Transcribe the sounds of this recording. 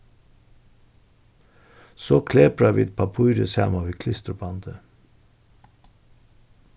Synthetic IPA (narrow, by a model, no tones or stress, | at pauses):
soːkʰleːpɾɑʋḭːt̪̚pʰɑpʰuʏɾəshæ̰ːmɑʋiːkʰlɪst̪əbɑnd̪ə